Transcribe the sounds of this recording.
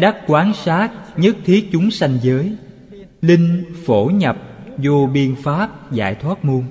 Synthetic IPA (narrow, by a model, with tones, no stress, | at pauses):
ɗə˦˥t̚kwaː˨˦nsaː˦˥t̚ɲə˦˥t̚t̪ʰi˨˦ək̚t͡ɕʊ˨˦ŋ͡msa˧jŋzəː˨˦j | lï˧ŋ̟fo˧˩ɲə˨˩p̚zo˧ɓi˧ənfaː˦˥p̚za̰ː˧˩jt̪ʰwaː˦˥t̚mu˧əŋ